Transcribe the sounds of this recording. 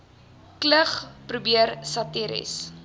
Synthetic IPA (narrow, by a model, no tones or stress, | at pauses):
kləχprubiərsɐtiɾḭs